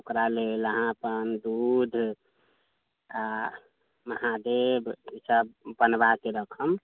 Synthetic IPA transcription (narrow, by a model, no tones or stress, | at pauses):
okɾaleləɦãpənd̪ud̪ʱ | a | məhad̪ebisəbːənbak̪eɾəkʰəm